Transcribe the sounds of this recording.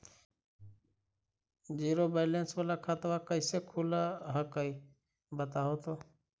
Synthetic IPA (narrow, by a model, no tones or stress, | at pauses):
d͡ʒiːɾoːbeːleːnsʋalaːkʰat̪ʋaːkəiseːkʰuːlaɦəkəiː | bət̪aːɦoːt̪oː